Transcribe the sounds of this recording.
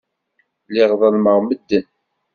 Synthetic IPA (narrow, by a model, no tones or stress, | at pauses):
lɪʁðˤəlməʁməd̪ːən